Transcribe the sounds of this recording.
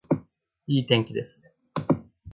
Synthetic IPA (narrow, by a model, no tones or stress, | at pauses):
iːt̪ẽ̞ŋkʲid̪e̞sɨ̥ne